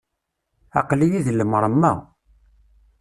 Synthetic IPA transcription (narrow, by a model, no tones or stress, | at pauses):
ɑ̰qlijiðlːəmɾˤəmːæ̰